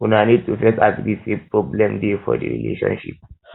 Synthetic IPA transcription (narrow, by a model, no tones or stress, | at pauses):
unaniːd̚tufɛsaɡɾisepɾɔblɛmdefɔdḭɾḭlḛːʃɔ̰nʃḭp̚